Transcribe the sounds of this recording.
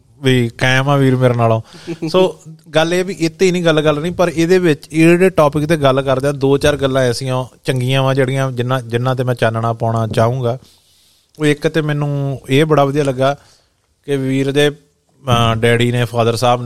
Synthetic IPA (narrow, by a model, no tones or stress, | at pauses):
ʋiːkɛ̃ːmãːʋiːɾmeːɾeːnaːlõːsoːɡəleːbiːʔɪt̪ːiːnĩːɡəlkəlnĩːpəɾeːd̪eːbɪt͡ʃɪːɖeːʈoːpɪkt̪eːɡəlkəɾd̪eaːd̪oːt͡ʃaːɾɡəlːãːeəsĩːõːt͡ʃəŋɡiːãːʋãːd͡ʒeːɽɪĩːãːd͡ʒɪnãːd͡ʒɪnːãːt̪eːmɛ̃ːt͡ʃaːnɳaːpãːɳaːt͡ʃaːũːɡaː | oːɪkt̪eːmɛ̃ːnũːeːbəɽaːʋəd̪ijaːləɡːaː | kɪʋiːɾd̪eː | ɖɛːɽiːnẽːpʰaːd̪əɾsaːb